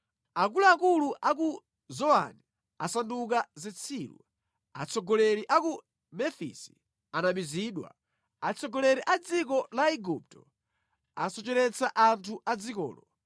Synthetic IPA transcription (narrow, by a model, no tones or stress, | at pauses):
akulaːkuluʔaku | zɔa̰ni | asanduk̬azɛt͡sʰiːlṵ | a̰t͡sʰɔɡɔlɛɾiʔaku | mɛfḭsi̥ | anaɓiziːɗwa̰ | at͡sʰɔɡɔlɛɾiʔad͡zik̬ɔlaiɡup̚tɔ | asɔt͡ʃɛɾɛt͡sʰaʔantʰuʔad͡zikɔ̰ːlɔ